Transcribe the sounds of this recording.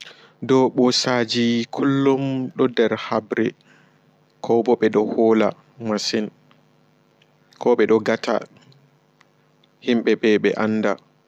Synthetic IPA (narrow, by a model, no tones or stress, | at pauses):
dɔɓɔsad͡ʒikʰulːumɗɔdɛɾhabɾɛ̰ | kʰɔbɔɓɛɗɔhɔːla | masɛn | kʰɔɓɛɗɔɡatʰa̰ | himɓɛbɛɓɛʔanːda